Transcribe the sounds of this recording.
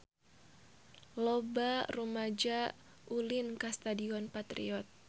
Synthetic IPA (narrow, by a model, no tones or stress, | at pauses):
lɔbarumad͡ʒa | ʔulinkast̪adiɔnpat̪ɾḭɔt̪̚